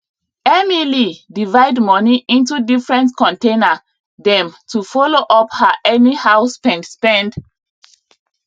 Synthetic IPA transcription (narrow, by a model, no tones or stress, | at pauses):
ɛmilidivaɪdmɔniʔĩntudifɹɛ̃ntkɔ̃ntẽna | dɛ̃mtufɔloʔɔphaʔɛnihaʊspɛ̃ndspɛ̃nd